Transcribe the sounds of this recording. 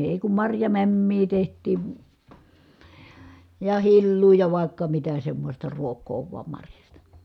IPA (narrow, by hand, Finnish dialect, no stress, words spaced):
eˑi kum mɑrjɑmæmːiː tehtˑiː jɑ hilːuː jɑ ʋɑˑi̯kːɑ mitæ semːostɑ ruokˑoː ʋuɑm mɑrjɑstɑ